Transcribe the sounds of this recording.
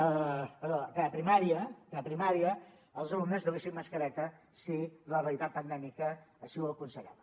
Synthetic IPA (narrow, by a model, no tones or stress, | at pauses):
əpəɾðokaəpɾimaɾiəkapɾimaɾiə | əːlˠsonumezðuleisimːəskəɾɛt̪ə | siləreəlˠit̪at̪̚pənd̪ɛmikəːʃiwəkunsəʎa̰βə